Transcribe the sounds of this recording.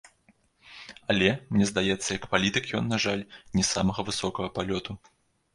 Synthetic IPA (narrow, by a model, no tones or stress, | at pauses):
ɐlʲɛmnʲɛzd̪ajɛt̪sːɐjɐkpalʲit̪ɨkjɔnːaʐalʲnʲɛsamɐɣɐvɨsɔkɐɣɐpalʲɔt̪u